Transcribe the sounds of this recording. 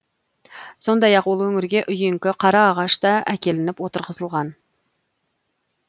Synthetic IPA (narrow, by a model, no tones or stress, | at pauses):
so̞nd̪ɑjɑqwolˠwɵŋɪɾɡʲe̞ʔʏjeŋkʲɪqʰɑɾɑːʁɑʃt̪ɑækʲe̞lɪnɪpwo̞t̪əɾʁəzəlˠʁɑn